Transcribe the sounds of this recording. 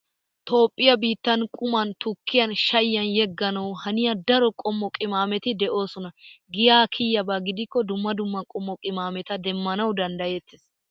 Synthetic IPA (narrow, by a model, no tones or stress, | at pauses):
t̪o̞ːpʼːɪjɐbiːt̪ːɐnkʼʊmɐnt̪ʊkːɪjɐnʃɐjːɐnjɛɡːɐnɐwhɐnɪjɐd̪ɐɾɔkʼɔmːɔkʼɪmaːmɛt̪ɪd̪ɛʔo̞ːsɔnɐɡɪjaːkʰɪjːɐbaːɡɪd̪ɪkːɔd̪ʊmːɐd̪ʊmːɐkʼɔmːɔkʼɪmaːmɛt̪ɐd̪ɛmːɐnɐwd̪ɐnd̪ɐjɛt̪ːɪs